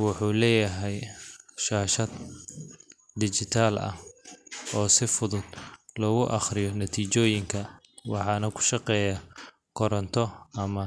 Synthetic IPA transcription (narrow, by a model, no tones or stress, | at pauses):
wɑħuːlɛːjɐɦɛjʃaːʃɐd̪ | d̪ɪt͡ʃɪt̪ʰaːlɐ̰h | ɔːsɪfʊðʊd̪̥lɔɣʊʔɑχrɪjɔnɐt̪ʰiːt͡ʃɔːjɪŋkʰɐ | wɑħɑːnɐkʰʊ̥ʃɑqɛːja | kʰɔɾɐnt̪ʰɔɐmɐ